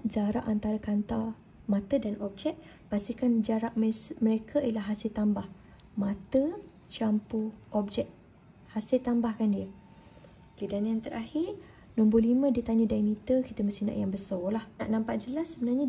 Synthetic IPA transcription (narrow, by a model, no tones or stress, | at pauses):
d͡ʒaɾa̰ʔant̪aɾakant̪a | mat̪ədanʔɔb̚d͡ʒɛk̪̚ | b̥asikand͡ʒaɾaʔmməɾekʰailahɦasɪlt̪ambah | mat̪ə | t͡ʃampuʔɔb̚d͡ʒɛk̪̚ | hasɪlt̪ambahkandiə | kidanjaŋt̪əɾʔahir | nɔmbulimə̃diət̪aɲədainit̪əkit̪əməst̪ina̰ʔjaŋbəsɔlahnaʔnãmpaʔ̚d͡ʒəlasːəbənarɲa